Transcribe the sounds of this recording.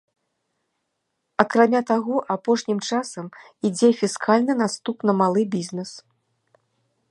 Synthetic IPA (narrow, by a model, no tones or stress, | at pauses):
ɐkɾamʲat̪aɣɔʔapɔʂnʲimt͡ʂasɐm | id͡zʲɛfʲiskʰalʲnɨn̪ast̪upnɐmalˠɨbʲizʲnɛs